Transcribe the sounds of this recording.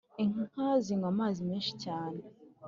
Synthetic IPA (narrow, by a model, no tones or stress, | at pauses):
iŋŋaziŋɡamaːzimeːnʃi̥caːne